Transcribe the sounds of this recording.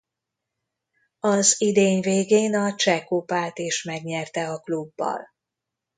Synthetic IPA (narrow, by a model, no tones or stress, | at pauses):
ɒzid̪eːɲveːɡeːnɒt͡ʃɛkopaːt̪eːʃmɛɡɲɛrt̪ɛɒklubːɒ̰l